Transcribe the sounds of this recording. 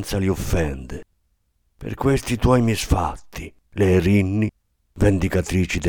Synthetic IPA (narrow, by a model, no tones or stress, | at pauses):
nt̪saliɔfːɛnd̪ɛ | pɛ̰ɾkwest̪it̪wɔjmisfat̪ʰːi | lɛɾinːi | vend̪ikat̪ɾiːt͡ʃid̪